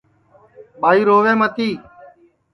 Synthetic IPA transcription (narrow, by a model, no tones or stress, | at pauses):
ɓaːiːɾoːʋẽːmət̪ʰiː